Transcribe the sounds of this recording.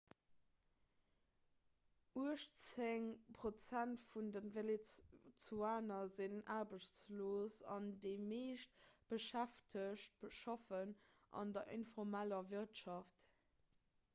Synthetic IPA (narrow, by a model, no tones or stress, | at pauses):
ʔuəʃt͡seŋpʁot͡sæntfundənvelet͡suaːnɐzinʔaːʁbəɕt͡sloːsɑ̰ndeɪmeːʃt̚b̥əʃæftʰəɕt̚b̥əʃɑfənʔɑ̰ndɐʔinfɔʁmælɐviʁtʃɑft